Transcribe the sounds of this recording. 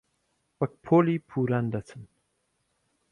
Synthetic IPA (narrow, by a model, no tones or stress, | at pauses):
wak̚pʰolipʰuɾand̪at̪ʰən